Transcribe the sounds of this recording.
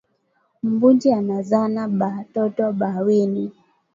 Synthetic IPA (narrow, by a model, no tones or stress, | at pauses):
m̩bund͡ʒianazanaɓatɔtɔɓawini